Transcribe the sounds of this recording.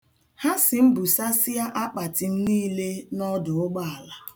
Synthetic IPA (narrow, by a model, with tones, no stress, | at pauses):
ha˦sɪ˨m̩˦bu˨sa˦si˦ja˦ʔa˦k͡pa˨tɪ˨n̩˦niː˦le˦nɔ˦dʊ˨ʊ˦ɡ͡ba˦a˨la˨